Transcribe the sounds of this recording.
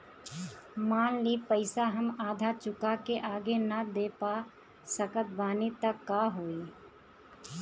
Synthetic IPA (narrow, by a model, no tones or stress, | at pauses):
maːnliːpəɪsaɦɐmaːd̪ʱat͡ʃʊkakeʔaːɡenɐd̪eːpa | səkət̪̚baːnit̪əkːaːɦoːiː